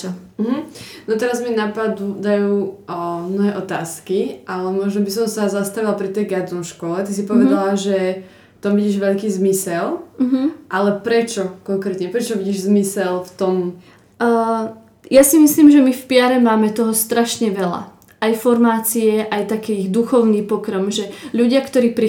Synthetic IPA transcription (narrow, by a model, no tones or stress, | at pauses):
ɦm̩nɔt̪ɛɾazminapad̪ud̪ajuːmnɔɦɛːʔɔt̪aːskiʔalɛmʊɔʒnɔbisɔmsazast̪aʋilapɾit̪ɛjɡad̪ɔmʃkɔlɛt̪isipɔʋɛd̪alaʒɛ | ft̪ɔmʋiɟiːʒʋɛʎkiːzmisɛl̩ɦ̩ʔalɛpɾɛt͡ʃɔkɔŋkɾɛːt̪ɲɛpɾɛt͡ʃɔʋiɟiːʒzmisɛlft̪ɔmː | jasimisliːmʒɛmifpɪaɾɛmaːmɛt̪ɔɦɔst̪ɾaʃɲɛʋɛla̰ | ajfɔɾmaːt͡siɛʔajt̪akiɣd̪uxɔʊniːpɔkɾɔmʒɛʎuɟɪakt̪ɔɾiːpɾi